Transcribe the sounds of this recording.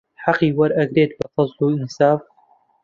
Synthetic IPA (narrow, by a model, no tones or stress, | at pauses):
ħaqiːwɐɾʔɐɡɾeːt̪̚bɐfɑsˤluːɪnsaːf